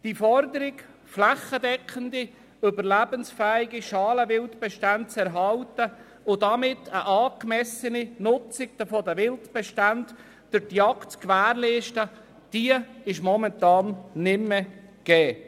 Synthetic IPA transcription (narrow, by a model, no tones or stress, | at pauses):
d̥ifɔɾdəɾɪk | flæχədɛkχəndi | ʏbəɾlæbənsfæːɪɡiʃɑːləvɪltb̥ɛʃtant̚t͡sɛɾɦɑltə | ʊdɑmɪtːʰəʔɑːkmɛsəninʊt͡sɪɡ̥̚d̥əfoːdəʋɪltb̥ɛʃtant | d̥ʊtjɑktt͡skʋæːɾleːʃtə | d̥iəɪʃmɔmɛntɑːnːɪmːɛɡ̥ɛː